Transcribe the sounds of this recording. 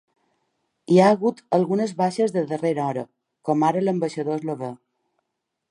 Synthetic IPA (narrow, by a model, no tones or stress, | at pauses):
iaəɣut̪əlˠɣunəzβaʃəzðəðəreɾɔɾə | kɔmaɾələmbəʃəðoezloβe